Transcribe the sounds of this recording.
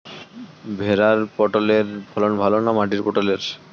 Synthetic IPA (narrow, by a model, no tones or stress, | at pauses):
bʱeɾaɾpɔʈoleɾpʰɔlonbʱalonamaʈ̬iɾpɔʈoleɾ